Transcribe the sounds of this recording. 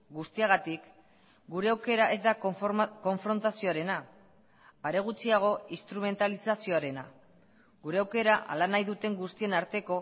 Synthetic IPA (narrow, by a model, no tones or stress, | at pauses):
ɡust̪iaɣ̞at̪ik | ɡuɾe̞awke̞ɾaʔe̞zd̪ako̞ɱfɾo̞nt̪asio̞aɾe̞naː | ɾe̞ɣ̞ut͡siaɣ̞o̞ist̪ɾume̞nt̪alisasio̞aɾe̞na | ɡuɾe̞awke̞ɾaʔa̰lanajðut̪e̞ŋɡust̪ie̞naɾt̪e̞ko̞